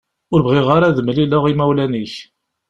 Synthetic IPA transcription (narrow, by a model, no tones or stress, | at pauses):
ʊɾbʁɪʁaɾaðəmliləʁimæwlæniç